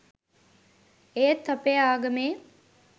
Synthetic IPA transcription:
eːt̪ːɐpeːaːɡɐmeː

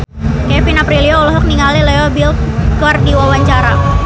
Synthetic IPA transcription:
kɛfinapɾiliɔulɔɦɔk̚niŋalileɔbilkɔrdiwawaɲt͡ʃaɾa

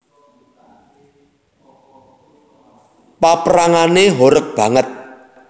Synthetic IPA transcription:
papɾaŋaneɦoɾək̚b̥ä̤ŋət̪̚

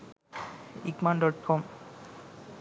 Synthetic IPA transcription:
ikmanɖɔʈ̚kʰɔm

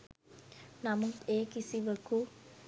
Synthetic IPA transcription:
namut̪eːkisiʋəku

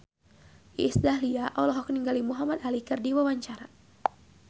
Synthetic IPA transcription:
ʔisdahliaʔɔlɔɦɔkniŋɡalimuɦamad̪alikɨrdiwawaɲt͡ʃaɾa

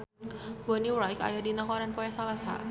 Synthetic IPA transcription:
bɔniwɾajka̰jadinakɔɾanpɔjasalasa̰

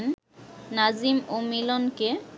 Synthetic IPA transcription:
n | nad͡ʑimomilonke

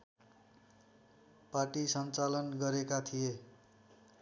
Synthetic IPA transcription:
paʈisʌnt͡salʌnɡʌɾekat̪ʰije

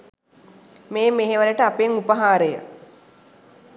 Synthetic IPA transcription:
meːmeɦeʋaɾəʈəapeŋupəɦaːɾəjə̰

